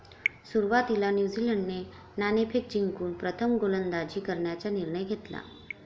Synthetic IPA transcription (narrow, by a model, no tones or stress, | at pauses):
suɾʋat̪ilanjud͡ziləɳɖne | nanepʰek̚d͡ʑiŋkuːnpɾət̪ʰəmɡolənd̪ad͡ʑiːkəɾɳjat͡ɕaniɾɳəjɡʱet̪la̰